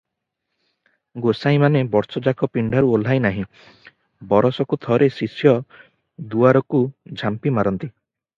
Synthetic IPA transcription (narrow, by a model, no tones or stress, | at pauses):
ɡosaĩmanebɔɾsɔd͡ʒakɔpiɳɖʱaɾuol̤ajnaɦĩ | bɔɾɔsɔkut̪ʰɔɾesisjɔ | d̪uaɾɔkud͡ʒʱampimaɾɔnt̪i